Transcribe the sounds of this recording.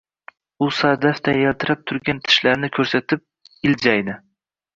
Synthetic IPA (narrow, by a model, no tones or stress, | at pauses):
ʊsad̪aft̪ajalt̪ʰɪɾap̚t̪ʰʊɾɡʲant̪ʰɪ̥ʃlaɾnɪkʰɵɾsat̪ʰɪp̚ | ɪld͡ʒajd̪ɪ